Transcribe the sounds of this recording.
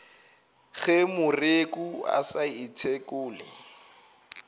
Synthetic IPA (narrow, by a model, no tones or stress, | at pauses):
ɣɛmʊrekua̰saitʰekʊːlɪ